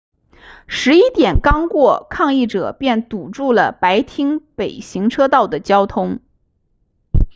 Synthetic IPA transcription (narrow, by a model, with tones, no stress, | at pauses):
ʂɻ̩˧˥i˥t̪jɛ˨˩nkɑ˥ŋkwɔ˥˧kʰɑ˥˧ŋi˥˩ʈ͡ʂɤ˨˩pjɛ˥˩nt̪u˨˩ʈ͡ʂu˥˩lə˩pa˧˥ɪt̪ʰi˥ŋpe˨˩ɪɕi˧˥ŋʈ͡ʂʰɤ˥t̪ɑ˥˩ʊd̪ə˩t͡ɕjɑ˥ʊt̪ʰʊ˥ŋ